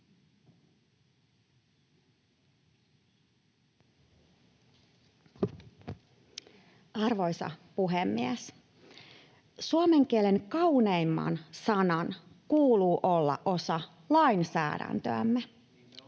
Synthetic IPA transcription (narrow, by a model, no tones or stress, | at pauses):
ɑrʋo̞jsɑ̰puɦemːies | suomeŋkieleŋkɑuneimːɑ̰nsɑnɑn | kuːluːʔo̞lːɑ̰ʔo̞sɑ | lɑjnsæ̰ːdæ̰nt̪ø̰æmːe